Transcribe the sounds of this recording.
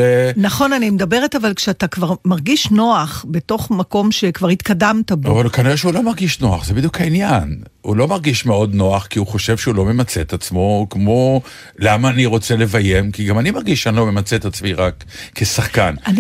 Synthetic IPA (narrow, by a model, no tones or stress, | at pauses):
enaχo̞nanimedabe̞ʁetavalkʃeatakvaʁmaʁɡiʃno̞aχbe̞to̞χmako̞mʃe̞kvaʁhit̪kadamtabavalukaniʁɛʃeulo̞maʁɡiʃno̞aχzebid̪jukʰhainjan | hṵlo̞maʁɡiʃmeo̞dno̞aχkiuχo̞ʃe̞vʃeulo̞me̞mat͡set̪at͡smo̞kmo̞ | lamaːniʁo̞t͡se̞le̞vaje̞mkiɡamanimaʁɡiʃanlome̞mat͡set̪at͡smiʁakːesaχkan